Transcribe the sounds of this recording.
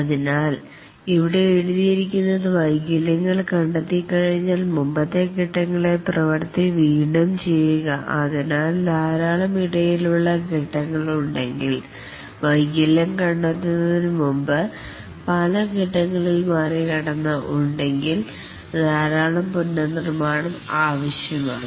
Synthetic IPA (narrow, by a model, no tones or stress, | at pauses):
ɐðinaːl | iʋiɽe̞eɻuðijiɾikʲːunːɐðɨʋɐjɡɐlɐŋːɐɭkɐɳɖɐt̪ːikːɐɻiɲːaːlmumbɐt̪ːe̞kiʈːɐŋːɐɭe̞prɐʋɐɾt̪ːiʋiːɳɐmt͡ɕe̞jːuɣɐʔɐðinaːlnaːɾaːɭɐmiɽɐjiluɭːɐkiʈːɐŋːɐɭuɳɖe̞ŋɡil | ʋɐjɡɐlːɐmkɐɳɖɐt̪ːinːɐðinɨmumbɨ | pɐlɐɡiʈːɐŋːɐɭilmaːrikɐɽɐnːɐʔuɳɖe̞ŋɡil | naːɾaːɭɐmpunːɐnirmaːɳɐmaːʋɐɕjɐma̰ːɳɨ